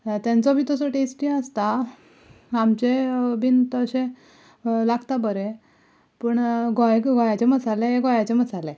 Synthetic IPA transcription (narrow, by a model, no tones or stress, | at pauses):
t̪jant͡sɔbʱiːt̪əsɔʈesʈiəst̪a | amt͡ɕebʱint̪əɕẽ | laɡt̪abəɾe | pəɳɡʱɔjkɡʱɔjat͡ɕeməsaleɦeɡʱɔjat͡ɕemət͡sale